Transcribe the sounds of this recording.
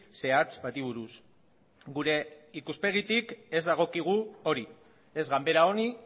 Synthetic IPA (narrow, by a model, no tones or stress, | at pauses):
se̞at͡sbat̪iβ̞uɾus | ɡuɾe̞ikuspe̞ɣ̞it̪ike̞zd̪aɣ̞o̞kiɣ̞uo̞ɾi | e̞zɣambe̞ɾao̞ni